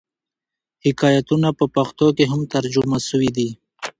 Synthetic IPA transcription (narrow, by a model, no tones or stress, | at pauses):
hɪkɑjat̪unapəpaxt̪okeɦamt̪aɾd͡ʒʊmasəwid̪i